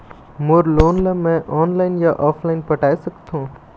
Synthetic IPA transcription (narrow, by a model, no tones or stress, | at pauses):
mʊɾloːnləmɛ̃ʔɔːnlaːɪnjaʔɔːpʰlaːɪnpɐʈaːjsɐkt̪ɦũː